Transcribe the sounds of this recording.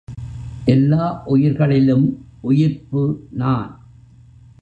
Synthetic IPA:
ʔɛlːaːʔʊjɪɾɣɐɭɪlɯmʔʊjɪɾpɯnaːn

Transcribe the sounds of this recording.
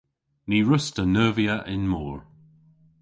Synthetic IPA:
niɹʊstənəːviəʔɪnmɔːɹ

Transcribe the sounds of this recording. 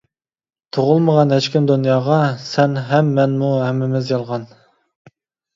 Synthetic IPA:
t̪ʰoʁʊlˠməʁɑnɦɛt͡ʃkʲimd̪unjɑːʁɑsɛnɦɛmːɛnmuɦɛmːɪmɪzjɑlˠʁɑn

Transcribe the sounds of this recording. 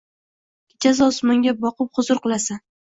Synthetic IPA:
t͡ʃʰazɒsmɒŋɡʲabɒqɨp̚χʊzʊɾqɨlˠasan

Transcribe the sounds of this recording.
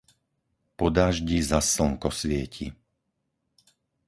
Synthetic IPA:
pɔd̪aːʒɟizasl̩ŋkɔsʋɪɛcʰḭ

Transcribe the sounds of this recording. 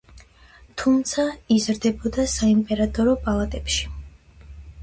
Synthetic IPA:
t̪ʰumt̪sʰaizɾd̪ɛbɔd̪asaimpʼɛɾat̪ʼɔɾɔpʼalˠat̪ʼɛpʃi̥

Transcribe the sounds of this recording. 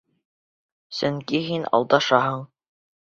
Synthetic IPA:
sɵŋkiɦinɑ̰lˠd̪ɑʃɑɦɤɴ

